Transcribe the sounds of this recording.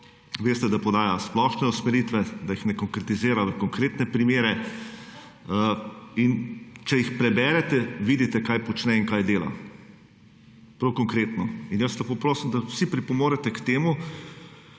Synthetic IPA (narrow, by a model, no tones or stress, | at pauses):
ʋeːst̪ɛd̪apɔd̪aːjasplɔʃnɛusmɛɾiːt̪ʋɛd̪ajixnɛkɔŋkɾɛt̪izeːɾaʋəkɔŋkɾeːt̪nɛpɾimeːɾɛ | int͡ʃɛjixpɾɛbɛːɾɛt̪ɛʋiːd̪it̪ɛkajpɔt͡ʃnɛiŋkaːjd̪eːla̰ | pɾɐwkɔŋkɾeːt̪nɔinjəslɐpoːpɾoːsimd̪awsipɾipɔmoːɾɛt̪ɛkt̪eːmu